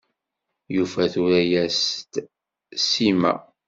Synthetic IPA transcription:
jufæθuɾæjæst̪ | simæ̰

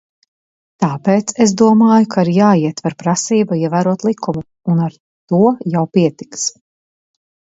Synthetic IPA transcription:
t̪aːpeːt̪ses̬d̪uɔmaːjukʰaiɾjaːiɛt̪vaɾpɾasiːbaiɛvæːɾuɔt̪lˠikʰumu | unaɾ | t̪uɔjawpiɛt̪i̥ks

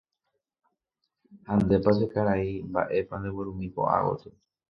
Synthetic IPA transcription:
hãnd̪e̞pasekaɾaimba̰ʔe̞pand̪eweɾũmĩpo̰ʔa̰wo̰t̪ɨ

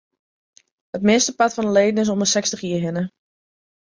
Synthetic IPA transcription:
hətmɪstəpatfɔnəlejdənɪs̬ondəsɛkstəχiəɦɪnə

